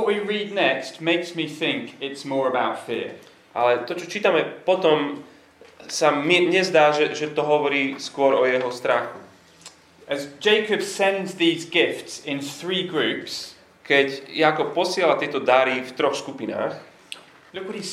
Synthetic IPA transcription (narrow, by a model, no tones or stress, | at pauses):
ɔʔwiɹiːd̚nɛkstmɛɪksmiθɪ̃ŋkɪtsmɔːɹəbaʊtfɪ̰ɹ | ʔa̰lɛt̪ɔt͡ʃɔt͡ʃiːt̪amɛpɔt̪ɔm | samiɲɛzd̪aːʒɛʒɛt̪ɔɦɔʋɔɾiːskʊɔɾɔjɛɦɔst̪ɾaxu | əzd͡ʒɛɪkɨbsɛ̃ndzðiːzɡɪftsɪ̃nθɹiːɡɹʉps | kɛɟjaːkɔp̚pɔsɪɛlat̪ɪɛt̪ɔd̪aɾift̪ɾɔxskupina̰ːx | lʊkwɔthi